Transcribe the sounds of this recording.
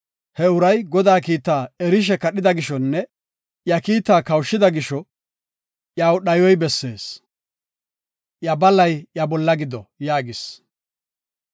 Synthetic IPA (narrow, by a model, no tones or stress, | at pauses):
hɛʊɾɐjɡɔd̪aːkiːt̪ːaːɛɾɪʃ̬ɛkɐɗɪd̪ɐɡɪʃɔnːɛ | jɐkiːt̪ːaːkɐwʃːɪd̪ɐɡɪʃɔ | jaːwɗɐjɔjbɛsːe̞ːs | ʔjɐbɐlːɐjjɐbɔlːɐɡɪd̪ɔjaːɡɪs